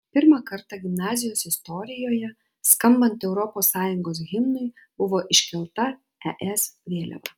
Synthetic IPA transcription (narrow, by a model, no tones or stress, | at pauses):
pʲɪɾmɑkɐɾt̪ɑɡʲɪmnɑːzʲɪjoːsɪst̪ɔɾʲɪjoːjɛ | skɐmbɐnt̪ɛʊɾɔpoːsːɑːjʊŋɡoːsɣʲɪmnʊɪ | b̥ʊʋoːʔɪʃʲkʲɛlˠt̪ɐ | ɛʔɛsʋʲeːlʲɛ̰ʋɑ̰